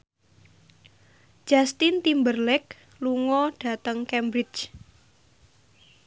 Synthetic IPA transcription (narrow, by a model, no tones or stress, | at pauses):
d͡ʒ̥ast̪int̪imbərlɛk̚ | luŋɔɖ̥a̤t̪əŋkɛmbɾɪt͡ʃ